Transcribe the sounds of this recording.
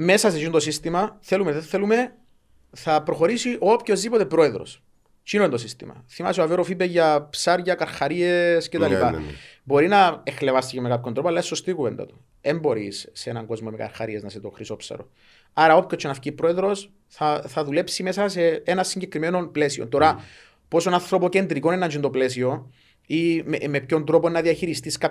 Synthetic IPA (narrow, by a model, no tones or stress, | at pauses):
me̞sɐs̬eziunt̪osist̪imɐθe̞lumeðeθe̞lume̞ | θɐpɾo̞xo̞ɾisiʔoopço̞zðipo̞t̪e̞pɾo̞e̞ðɾo̞̰s | t͡ʃinoent̪os̬ist̪ḭmɐ̰θimɐ̰sioɐveɾofibeʝɐpsaɾʝɐkɐɾxɐɾiescet̪ɐlipɐbo̞ɾinɐexlevɐst̪icemekapçond̪ɾopoɐlːɐeso̞st̪ikupend̪ɐ̰t̪u̥ | embo̞ɾḭsːenɐŋɡo̞zmomekɐ̰ɾxɐ̰ɾieznɐset̪oxɾisopsɐ̰ɾo̰ | ɐɾɐopcot͡ʃʰːenɐfcipːɾo̞e̞ðɾo̞s | θɐθɐðule̞psime̞sɐse̞enɐsːiɲɟe̞kɾimeno̞mple̞siont̪o̞ɾɐ | po̞sonɐnθɾo̞pocend̪ɾiko̞nenɐnd͡ʒind̪ople̞s̬io̞ | imemepço̞nd̪ɾo̞ponːɐðiɐçiɾist̪iskap